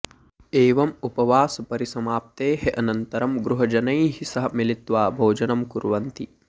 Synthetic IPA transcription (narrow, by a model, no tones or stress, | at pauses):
eːʋɐmupɐʋaːsɐpɐɾisɐmaːp̚t̪eːɦeʔɐnɐnt̪ɐɾɐmɡɾuɦɐd͡ʒɐnɐjɦisɐɦɐmilit̪ʋaːbʱoːd͡ʒɐnɐmkuɾʋɐnt̪i